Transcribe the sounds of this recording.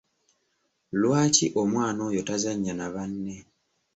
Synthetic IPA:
lwaːciʔomwaːno̞jotazaɲːanaβanːe

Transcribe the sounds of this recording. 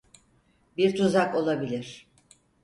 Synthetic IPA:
biɾt̪ʰuzako̞lˠabilʲiɾ̥

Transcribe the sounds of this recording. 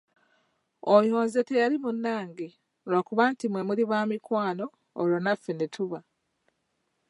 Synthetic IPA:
ojo̞ːnze̞te̞jalimunːaːŋɡi | lwakuβantimwe̞muliβaːmikwaːno̞ː | lonafenetuβa

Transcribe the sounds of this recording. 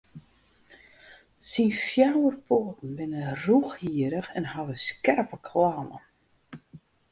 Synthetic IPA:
sinfjawərpʰoːətn̩ʋɪnəruxhiəɾəxɛnhaʋəskɛrpəkʰlanə̰

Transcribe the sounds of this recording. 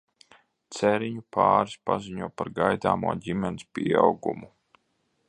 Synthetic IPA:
t̪sɛɾiɲupʰaːɾispa̰ziɲuɔpaɾɡajd̪a̰ːmuɔɟʲimʲɛnispʲiawɡṵmu

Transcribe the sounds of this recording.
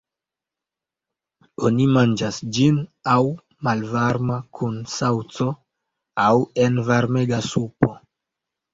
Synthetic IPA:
o̞nimand͡ʒasd͡ʒinaw | malvaɾmakʰunsawt͡so̞ | awe̞nvaɾme̞ɡasupo̞

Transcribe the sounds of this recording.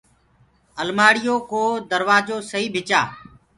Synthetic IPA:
əlmaːɽɪjoːkoːd̪əɾʋaːd͡ʒoːsəɦiːbʱɪt͡ʃaː

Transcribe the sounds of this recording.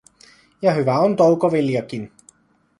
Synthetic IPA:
jɑɦyʋæont̪owkoʋeljɑkin

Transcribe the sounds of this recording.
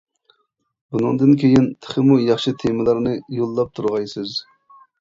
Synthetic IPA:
bunɨŋd̪ɨnkʲʰejint̪ʰə̥χɪmujɑχʃɨt̪ʰemɪlˠɑɾnɨjolˠːɑp̚t̪ʰuɾʁɑjsɨz

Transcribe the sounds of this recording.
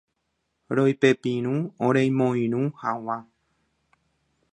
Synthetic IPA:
ɾojpepĩɾ̃ũõɾejmõĩɾ̃ũhawã

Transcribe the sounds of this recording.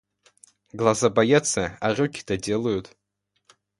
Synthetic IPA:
ɡlˠazabajatt͡sːɐarʲukʲi̥t̪ʰɐdʲelˠɐjut

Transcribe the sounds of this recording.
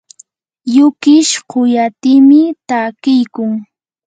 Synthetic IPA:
jʊkɪʃqʊjat̪ɪːmɪt̪akɪjkʊŋ

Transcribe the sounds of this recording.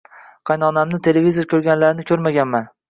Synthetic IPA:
qʰɑjnɒnamnɪt̪ʰe̞levizo̞ɾkʲʰɵɾɡʲanlaɾɪnɪkʲʰɵɾmaɡʲanman

